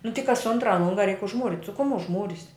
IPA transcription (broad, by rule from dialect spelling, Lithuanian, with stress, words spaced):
nʊ tʲɪ kɐs ˈʊntrɐ ˈlˠʊŋɡɐ rʲɛɪk ʊʒˈmuːrʲɪtʲ sʊ kʊm ʊʒˈmuːrʲɪsʲ